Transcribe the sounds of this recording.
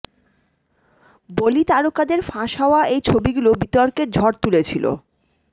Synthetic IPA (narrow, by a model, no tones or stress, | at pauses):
bolit̪aɾokad̪eɾfãʃɦaoaejt͡ɕʰobiɡulobit̪ɔɾkeɾd͡ʑʱɔɾt̪ulet͡ɕʰilo̰